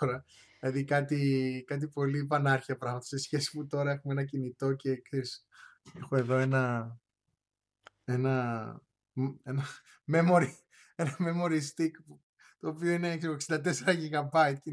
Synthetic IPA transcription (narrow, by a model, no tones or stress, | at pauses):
ɾɐ | lɐðikɐt̪ikɐt̪̬ipo̞lipɐnɐɾçiɐpɾɐɣmɐt̪ɐ̥sesçe̞si̥put̪o̞ɾɐe̞xumeenɐcinit̪o̞ce̞kseɾis | exoe̞ðo̞e̞nɐ | e̞nɐ | enɐ | me̞mo̞ɾi | e̞nɐme̞mo̞ɾist̪ikp | t̪o̞ːpio̞inekseɾoeksind̪ɐt̪̬e̞seɾɐʝiɣɐbɐjit̪c